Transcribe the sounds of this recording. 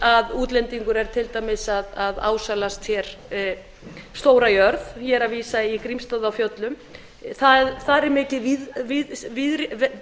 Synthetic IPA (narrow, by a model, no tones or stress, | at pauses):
aðuːt̪lɛnt̪iŋkʏɾɛɾ̥t̪ʰɪlt̪aːjmɪsaðaða̰ːwsalast̪ʰjɛɾ̥ | st̪oːwɾajœɾðçɛɾaviːsaikɾimst̪aðawfjœt̪lʏm | θaθaɾɛɾmɪːcɪviðvɪvɪðɾ